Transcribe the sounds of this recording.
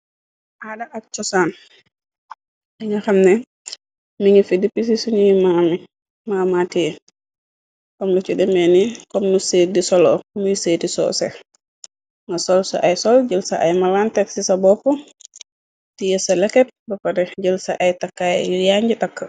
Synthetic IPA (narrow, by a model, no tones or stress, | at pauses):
ʔadɐʔak̚t͡ʃɔsaːn | ɛŋɡɐxamnɛ | miŋifidipis̬isuɲijmami | maːmati | kɔmlut͡ʃudɛmɛnikɔmnuseːdisɔlɔkmujuseːdisɔ̰ːsɛ̰ | ŋɡasɔlsɔ̰ʔajsɔlɟəlsa̰ʔajmalantɛksisabɔpːɔ | tijɛsɐlɛkɛt̚bɐpɐɾɛɟəlsa̰ʔajtakːajjɔjaɲɟitakːa